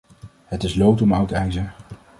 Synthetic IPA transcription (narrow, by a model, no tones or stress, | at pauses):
ɦətɪslowtɔmɑwtɛjzə